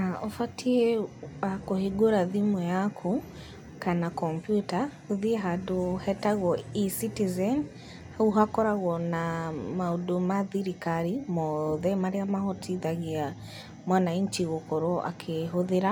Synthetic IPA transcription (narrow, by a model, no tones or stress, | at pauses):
naɔfatʰiɛakoheɡoɾaðimɔjakʰo | kanakɔmpjutahoðieɦadohɛtaɣɔisitizɛn | hauɦakɔɾaɣɔnamaodomaðiɾikaɾimɔðɛmaɾeamahɔtʰiðaɣia | mwanaiɲt͡ʃiɣokɔɾɔʔa̰kʰeɦoðeɾa